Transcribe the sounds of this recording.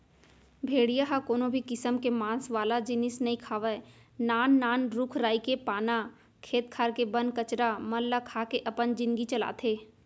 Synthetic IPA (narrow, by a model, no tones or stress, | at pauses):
bʱeːɽijaɦakoːnobʱikɪsəmkemãːsʋaːlad͡ʒɪnɪsnɐɦĩkʰaːʋə | naːnːaːnɾʊkʰɾaːikepaːna | kʰeːt̪kʰaːɾkebənkət͡ʃɾamɐllakʰaːkeʔɐpənd͡ʒɪ̃nd̪ɡit͡ʃɐla̰ːt̪ʰeː